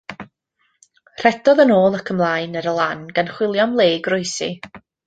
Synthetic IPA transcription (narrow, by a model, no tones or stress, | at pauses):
r̥ɛdɔðənoːlˠəkʰəmlˠaːɨnəɾəlˠanɡanχwɪlˠjɔmlˠeːɡrʊɨsḭ